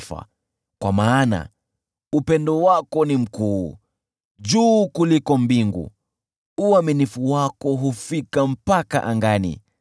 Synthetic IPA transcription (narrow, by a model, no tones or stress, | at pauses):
fa̰ | kwamaːna̰ | upɛndɔwakɔnim̩kuː | d͡ʒuːkulikɔm̩biŋɡṵ | uwaminifuwakɔɦufikam̩paka̰ʔaŋɡanḭ